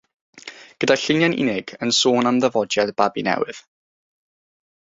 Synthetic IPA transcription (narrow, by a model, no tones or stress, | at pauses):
ɡ̥ədaɬɪnjanɪ̰nɪɡ̥ənsoːnamðəvɔdjadbabinɛ̰wɪð̥